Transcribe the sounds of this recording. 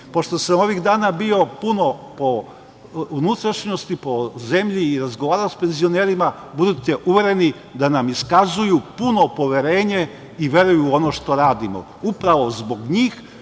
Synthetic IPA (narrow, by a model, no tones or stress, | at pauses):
po̞ʃt̪o̞samo̞ʋiɣd̪aːnabio̞puno̞po̞ | unut̪ɾaʃɲo̞st̪ipo̞ze̞mʎiːɾazɡoʋaːɾaospe̞nzio̞neːɾima | bud̪ut̪e̞ʔuʋe̞ɾe̞ni | d̪anamiskazujupuno̞po̞ʋe̞ɾe̞ːɲe̞ | iʋje̞ɾujuo̞noʃt̪o̞ɾaːd̪imo̞̰ | upɾaʋo̞zbo̞ɡɲiːx